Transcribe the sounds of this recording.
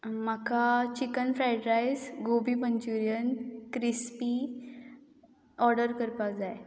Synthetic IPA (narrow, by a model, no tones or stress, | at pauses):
makat͡ɕikənfɾajʈɾajsɡobiːməɲt͡ɕuɾijənkɾispi | ɔɾɖəɾkəɾpad͡zaj